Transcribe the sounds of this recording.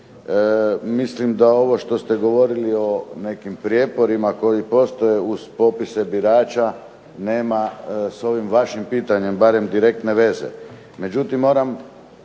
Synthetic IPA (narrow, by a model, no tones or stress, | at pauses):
mislimd̪ao̞ʋo̞ʃt̪o̞st̪e̞ɡo̞ʋo̞ɾilio̞ne̞kimpɾjepo̞ɾimako̞jipo̞st̪o̞je̞uz̥po̞pisebiɾaːt͡ʃa | neːmaso̞ʋimʋaʃimpiːt̪aɲe̞mbaɾe̞md̪iɾe̞k̚t̪ne̞ʋe̞zḛ | me̞d͡ʒut̪imːo̞ːɾam